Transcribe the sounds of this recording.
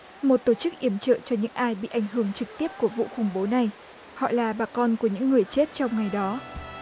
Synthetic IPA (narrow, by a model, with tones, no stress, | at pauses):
mo˨˩t̚t̪o˧˩t͡ɕɨ˦˥k̚ʔi˧˩əmt͡ɕə̰ː˧˨t͡ɕɔ˧ɲɨ̰˧˥ŋʔaː˧jɓḭ˧˨ʔa˧˩jŋ̟ɦɨ˧˩əŋt͡ɕɨ˨˩k̚t̪i˦˥əp̚ku˧˩əvṵ˧˨xa˧˩wŋ͡mɓo˨˦na˨˩j | hɔ̰˧˨laː˨˩ɓaː˨˩kɔ˧nku˧˩əɲɨ̰˧˥ŋːɨ˨˩əjt͡ɕe˦˥t̚t͡ɕɔ˧wŋ͡mŋa˨˩jɗɔ˨˦